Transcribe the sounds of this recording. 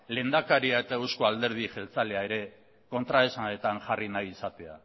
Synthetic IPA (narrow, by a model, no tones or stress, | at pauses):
le̞nd̪akaɾiae̞t̪ae̞wsko̞ald̪e̞ɾð̞iʝe̞lt͡saleae̞ɾe̞ | ko̞nt̪ɾaesnet̪anʝarinajisat̪e̞a̰